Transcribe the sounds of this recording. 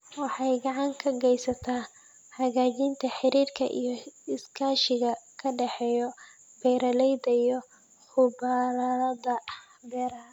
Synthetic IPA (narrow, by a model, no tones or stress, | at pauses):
wɑħɑjɡɑʕɑŋkʰɐɡɛjsɐt̪ʰaː | hɐɣaːt͡ʃɪnt̪ʰɐħɪɾiːrkʰɐ̰ʔḭjɞɪskʰaːʃɪɣɐkʰɐɖɛħɛːjɔ | b̥ɛjɾɐlɛjd̪ɐijɔ | ħʊbalɐdɐ | bɛːɾaː